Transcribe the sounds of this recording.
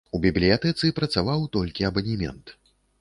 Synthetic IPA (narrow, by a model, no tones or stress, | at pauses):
ubʲiblʲijat̪ɛt̪sɨpɾɐt̪savawt̪ɔlʲkʲiɐbɐnʲimʲɛ̰nt̪